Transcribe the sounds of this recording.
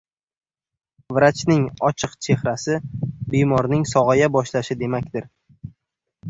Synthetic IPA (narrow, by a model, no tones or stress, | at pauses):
vɾat͡ʃnɪŋɒt͡ʃʰɨqt͡ʃʰe̞hɾasɪbejmɒɾnɪŋsɒʁajabɒʃlaʃɪd̪e̞makʲd̪ɪɾ